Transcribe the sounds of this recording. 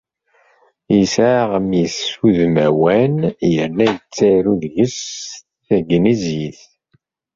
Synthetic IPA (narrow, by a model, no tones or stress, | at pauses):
jəsʕʁəmjisuðmæwænjəɾnæjət͡sːæɾuðʝəsθθæɡnizjiθ